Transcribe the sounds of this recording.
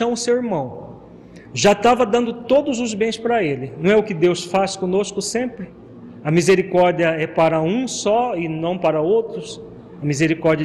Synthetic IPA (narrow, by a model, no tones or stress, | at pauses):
ɐ̃mʊsewɪɾmɐ̃w̃ | ʒat̪avɐd̪ɐ̃nd̪ʊt̪od̪ʊzʊzbẽj̃spɾɐelɪnɐ̃w̃ɛʊkɪd̪ewsfaskõnoskʊsẽmpɾɪ | ɐmizeɾikɔɾd͡ʒiɐɛpaɾɐũsɔɪnɐ̃w̃paɾɐowt̪ɾʊs | ɐmizeɾikɔɾd͡ʒiɐ